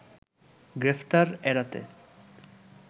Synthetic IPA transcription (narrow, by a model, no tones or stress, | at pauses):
ɡɾeft̪aɾɛɾat̪ḛ